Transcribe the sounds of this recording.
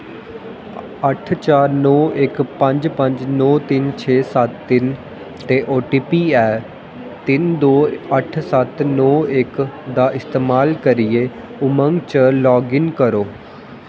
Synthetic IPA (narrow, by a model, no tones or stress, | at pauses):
əʈʰt͡ʃaːɾnɔːʔɪkpə̃ɲd͡ʒpə̃ɲd͡ʒnɔːt̪ɪnt͡ʃʰeːsət̪ːɪn | t̪eːʔoːʈiːpiːɛː | t̪ɪnd̪oːəʈʰsət̪nɔːɪkd̪aːʔɪst̪eːmaːlkəɾɪeː | ʊməŋɡt͡ʃəlɔːɡɪŋkəɾoː